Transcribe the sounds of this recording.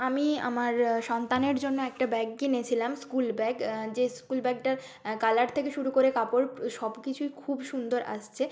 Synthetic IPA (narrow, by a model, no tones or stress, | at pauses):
amia̰maɾʃɔnt̪aneɾd͡ʑonːoɛk̚ʈabɛɡːinet͡ɕʰilamskulbɛɡd͡ʑeskulbɛɡ̚ʈa | kalaɾt̪ʰekeʃuɾukoɾekapoɾʃɔbkit͡ɕʰujkʰubʃund̪oɾʔa̰ʃt͡ɕʰe